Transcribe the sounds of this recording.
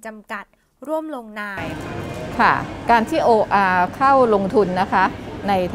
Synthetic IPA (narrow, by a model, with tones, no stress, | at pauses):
t͡ɕa˧mka˨˩t̪̚ | ɾu˥˩əmlo˧ŋnaː˧jkʰa˥˩kaː˧nt̪ʰiː˥˩ʔoː˧ʔaː˧kʰa˥˩wlo˧ŋt̪ʰu˧nːa˦˥kʰa˦˥na˧jt̪ʰ